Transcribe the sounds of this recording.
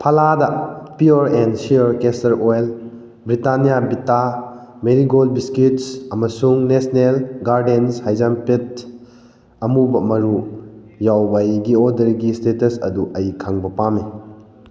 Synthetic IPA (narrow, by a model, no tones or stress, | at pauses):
pʰɐladɐpiaɾensiɔɾkestɐɾojl | bɾitanijabita | meɾiɡolbiskitsɐmɐsuŋnesnelɡaɾdenshajzampet | ɐmubɐmɐɾu | jawbajɡiodɐɾɡistetɐsɐ̰duʔɐjkʰaŋbɐpame